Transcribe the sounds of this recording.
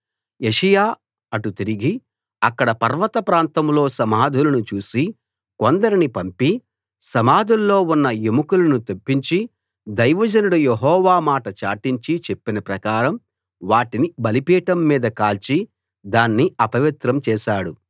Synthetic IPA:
eʂɐjaː | ɐʈut̪iɾiɡi | ɐkːɐɽɐpɐɾʋɐt̪ɐpɾaːnt̪ɐmlo̞ːsɐmaːd̪ʱulɐnut͡ʃuːsi | kond̪ɐɾinipɐmpi | sɐmaːd̪ʱulːo̞ːunːɐjemukulɐnut̪opːiɲt͡ʃi | d̪ɐjʋɐd͡ʒɐnuɽujeɦɔːʋaːmaːʈɐt͡ʃaːʈiɲt͡ʃit͡ʃepːinɐpɾɐkaːɾɐm | ʋaːʈinibɐlipiːʈɐmːiːd̪ɐkaːlt͡ʃi | d̪aːnːiɐpɐʋit̪ɾɐmt͡ʃɛːʃaːɽu

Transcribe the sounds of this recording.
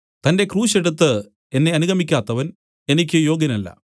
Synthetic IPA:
t̪ɐnde̞kruːɕe̞ɽut̪ːɨ | e̞nːe̞ɐnuɣɐmikʲːaːt̪ːɐʋɐn | e̞nikʲːɨjo̞ːɡjɐnɐlːɐ̰

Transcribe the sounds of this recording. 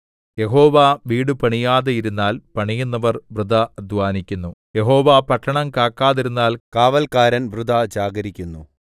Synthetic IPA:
je̞ɦo̞ːʋaːʋiːɽɨpɐɳijaːðɐjiɾunːaːlpɐɳijunːɐʋɐrʋrɨd̪ɐɐd̪ʱʋaːnikʲːunːuje̞ɦo̞ːʋaːpɐʈʰːɐɳɐmkaːkːaːðiɾunːaːlkaːʋɐlkaːɾɐnʋrud̪ʱad͡ʑaːɡɐɾikʲːunːu

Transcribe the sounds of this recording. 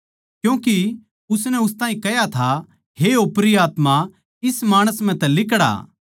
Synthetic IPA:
kjũːki | ʊsnɛʊst̪ãːɦĩkɛjat̪ʰa | heopɾiaːt̪ma | ɪsmaːɽ̃əsm̤ɛ̃t̪ɛlɪk̬ɽa̰

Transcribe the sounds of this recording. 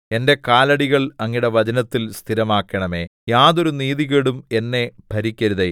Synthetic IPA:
e̞nde̞kaːlɐɽiɣɐɭɐŋːiɽeʋɐd͡ʑɐnɐt̪ːilst̪ʰiɾɐmaːkːɐɳɐme̞ːjaːðo̞ɾuniːðiɣeɽume̞nːe̞bʱɐɾikʲːɐɾuðe

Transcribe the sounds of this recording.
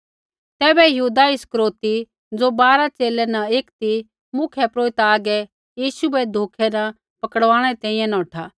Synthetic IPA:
t̪ɛːbɛjɐɦuːd̪aɪskɾoːt̪i | d͡zobaːɾat͡ʃeːlɛnɐeːkt̪i | mʊkʰɛpɾoːɪt̪aːɡɛ | jiːsubɛd̪ʱoːkʰɛnɐ | pɐkəɽʋãːɽ̃ɛt̪ɛ̃ːĩjɛ̃nɔ̃ːʈʰaː

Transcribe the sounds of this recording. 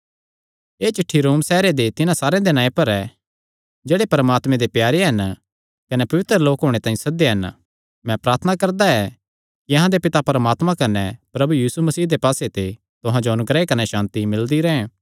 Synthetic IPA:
eːt͡ʃɪʈʰːiɾoːmsɛːɾed̪et̪ɪnãsaːɾejãd̪enãːẽpɐɾɛ | d͡ʒeːɽepɐɾəmaːt̪mɛ̃d̪epjaːɾeɦɐn | kɐnɛpɐʋɪt̪ɾəloːkɦoːɽ̃et̪ãːĩsɐd̪eɦɐn | mɛ̃pɾaːɾt̪ʰənakɐɾd̪aɛ | kiɐɦãd̪epɪt̪apɐɾəmaːt̪mãkɐnɛpɾɐbujiːsumɐsiːd̪epaːset̪e | t̪ʊɦãd͡ʒoɐnʊɡɾɛːekɐnɛʃãːnt̪imɪld̪iɾɐɛ̃

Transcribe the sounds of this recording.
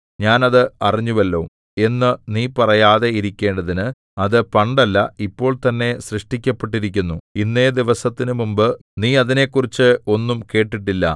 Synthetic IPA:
ɲaːnɐðɨɐriɲːuʋɐlːo̞ː | e̞nːɨniːpɐrɐjaːðe̞iɾikʲːe̞ːɳɖɐðinɨ | ɐðɨpɐɳɖɐlːɐipːo̞ːɭt̪ɐnːe̞ɕrɨʂʈikʲːɐpːeʈːiɾikʲːunːuinːe̞ːd̪iʋɐsɐt̪ːinɨmumbɨniːɐðine̞kːurit͡ɕːɨo̞nːumke̞ːʈːiʈ̬ːilːɐ̰

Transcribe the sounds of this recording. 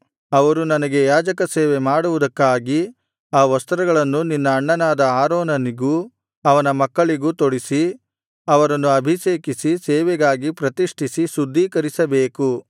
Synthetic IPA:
ɐʋɐɾunɐnɐɡe̞jaːd͡ʒɐkɐseːʋemaːɽuʋud̪ɐkːaːɡi | aːʋɐst̪ɐɾɐɡɐɭɐnːuninːɐːɳːɐnaːd̪ɐaːɾoːnɐniɡu | ɐʋɐnɐmɐkːɐɭiɡuːt̪oɽisi | ɐʋɐɾɐnːuɐbʱiʃeːkisisɛːʋɛɡaːɡipɾɐt̪iʂʈʰisisud̪ʱːiːkɐɾisɐbeːku

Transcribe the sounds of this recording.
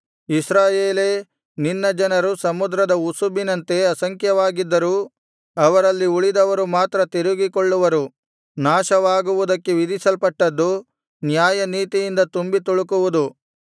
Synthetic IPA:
isɾaːjeːleː | ninːɐd͡ʒɐnɐɾusɐmud̪ɾɐd̪ɐusubinɐnt̪e̞ɐsɐŋkjɐʋaːɡid̪ːɐɾuː | ɐʋɐɾɐlːiuɭid̪ɐʋɐɾumaːt̪ɾɐt̪iɾuɡikoɭːuʋɐɾu | naːʃɐʋaːɡuʋud̪ɐkːeʋid̪isɐlpɐʈːɐd̪ːu | njaːjɐniːt̪ijind̪ɐt̪umbit̪uɭukuʋud̪u

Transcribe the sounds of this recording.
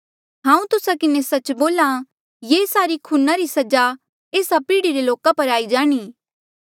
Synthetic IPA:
ɦãːũt̪ʊsakɪnesɐt͡ʃboːla | jeːsaːɾikʰuːnaɾisɐd͡ʒa | eːsapiːɽiɾeloːkapɐɾaːid͡ʒaːɽ̃iː

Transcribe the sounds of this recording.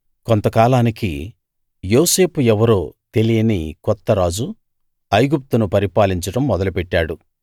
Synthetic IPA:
kont̪ɐkaːlaːnikḭ | jo̞ːse̞ːpuɛʋɐɾoːt̪e̞lijɐnḭkɔt̪ːɐɾaːd͡ʒu | ɐjɡup̚t̪unupɐɾipaːliɲt͡ʃɐʈɐmːɔd̪ɐlupɛʈːaːɽu

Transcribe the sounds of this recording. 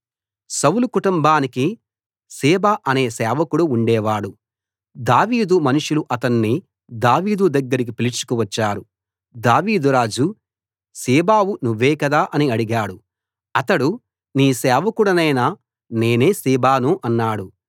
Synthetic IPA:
sɐwlukuʈumbaːniki | siːbaʔɐne̞ːsɛːʋɐkuɽuːɳɖɛːʋaːɽu | d̪aːʋiːd̪umɐnuʂuluʔɐt̪ɐnːi | d̪aːʋiːd̪ud̪ɐɡːɐɾik̬ipilit͡ʃu̥kuʋɐt͡ʃːaːɾu | d̪aːʋiːd̪uɾaːd͡ʒu | siːbaːwunuʋːɛːkɐd̪aːʔɐniɐɽiɡaːɽu | ɐt̪ɐɽu | niːsɛːʋɐkuɽɐnɐjnɐ | ne̞ːne̞ːsiːbaːnuʔɐnːaːɽu

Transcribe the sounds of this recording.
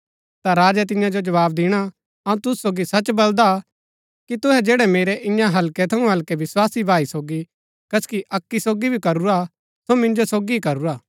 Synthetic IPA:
t̪aɾaːd͡ʒɛt̪̬ɪ̃jãd͡ʒod͡ʒɐʋaːb̚d̪ɪːɽ̃a | ɐũt̪ʊssoːɡisɐt͡ʃbɐld̪a | kit̪ʊɦɛd͡ʒeːɽɛmeːɾɛʔɪ̃jãɦɐlkɛt̪ʰɐũɦɐlkɛʋɪswaːsibʱaːisoːɡi | kɐskiʔɐkːisoːɡibʱikɐɾuɾa | somɪ̃nd͡ʒosoːɡiikɐɾuɾaː

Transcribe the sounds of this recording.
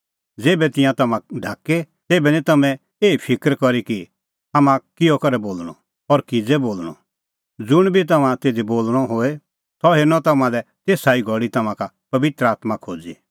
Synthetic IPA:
d͡zeːbɛt̪ɪ̃jãt̪ɐmãɖʱaːke | t̪eːbɛnĩt̪ɐmɛ̃ | eːipʰɪkəɾkɔɾiki | ɐmãkɪɔkɐɾɛboːlɽ̃ɔ̰ | ɔɾkid͡zɛboːlɽ̃ɔ̰ | d͡zʊɽ̃bʱit̪̬ɐmãt̪eːd̪iboːlɽ̃ɔɦoːe | t̪ɔɦenɔ̃t̪ɐmãlɛt̪eːsaːiɡʱɔɽit̪ɐmãka | pɐʋɪt̪ɾəaːt̪makʰoːd͡zḭ

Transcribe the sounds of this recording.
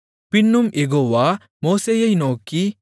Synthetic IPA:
pinːumʔeɡoːʋa | moːsejɐjnoːki

